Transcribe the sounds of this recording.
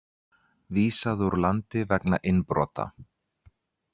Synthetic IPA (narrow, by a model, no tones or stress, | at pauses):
viːsaðuɾlant̪ɪvɛkna̰ʔɪnːpɾɔ̰ːt̪a̰